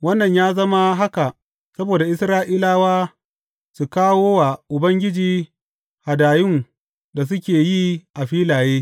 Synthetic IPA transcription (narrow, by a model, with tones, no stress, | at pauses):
wɐ˦nːɐ˨ɲjaː˦zɐ˦ma˦ɦa˦ka˨ʔ | sɐ˦boː˨da˨ʔɪ˦sɾaː˦ʔiː˦laː˦waː˦ | su˨kaː˦woː˦wa˨ʔʊ˨bɐ˦ŋɡʲɪ˦d͡ʒiː˦ | ha˨daː˨jʊ˦ŋ | da˨s̬ʊ˦kʲeː˨ji˦ʔa˨ɸiː˦laː˨jeː˦